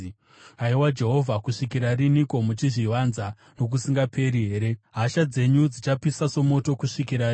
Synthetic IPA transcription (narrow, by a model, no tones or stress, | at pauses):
aiwad͡ʒe̞ɦo̞vʱakuʂikiɾariniko̞mut͡ʃiʐiʋanza | no̞k̬usiŋɡapʰe̞ɾiɦe̞ːɾe̞ɦaʃad͡ze̞ɲud͡zit͡ʃapisaso̞mo̞to̞kuʂikiɾai